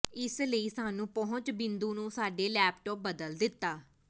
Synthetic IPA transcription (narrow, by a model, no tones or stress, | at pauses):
ɪsləiːsaːnũːpɔɦʊ̃ɲt͡ʃbɪ̃nd̪uːnũːsaːɖeːlɛːpʈɔːp̚bəd̪əld̪ɪt̪ːaː